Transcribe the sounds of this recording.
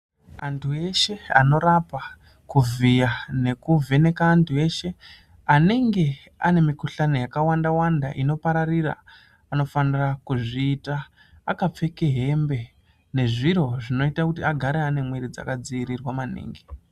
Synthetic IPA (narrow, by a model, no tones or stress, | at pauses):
antʰue̞ʃe̞a̰no̞ɾapa | kuvijane̞kuve̞ne̞kaːntʰue̞ʃe̞ | ane̞ŋɡe̞ | a̰ne̞mikuɬano̞jakawandawandaʔino̞paɾariɾa̰ | ano̞fanirakuʐiːtaː | kap͡fe̞ke̞ɦe̞mbe̞ | ne̞ʐiɾo̞ʐino̞itakutiaɡʱaɾeane̞mweɾid͡za̰kad͡ziiɾirwamanḭːŋɡi